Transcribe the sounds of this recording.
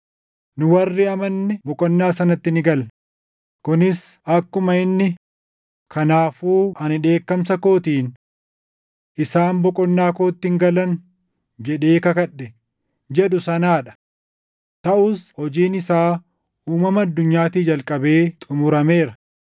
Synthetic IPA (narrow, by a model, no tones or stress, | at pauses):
nʊwɐrːɪɐmɐnːɪbɔkʼɔnːaːsɐnɐt̪ːɪnɪɡɐl | kʊnɪsɐkːʊmɐɪnːɪ | kʰɐnaːfuːɐnɪᶑe̞ːkːɐmsɐko̞ːt̪iːn | ʔɪsaːmbɔkʼɔnːaːkoːt̪ːiŋɡɐlɐn | d͡ʒɛᶑe̞ːkɐkɐɗɛ | d͡ʒɛᶑʊsɐnaːᶑɐ̥ | t̪ɐʔʊshɔd͡ʒiːnɪsaː | uːmɐmɐːd̪ːʊɲːaːt̪iːd͡ʒɐlkʼɐbe̞ːt̪ʼʊmʊɾɐme̞ːɾɐ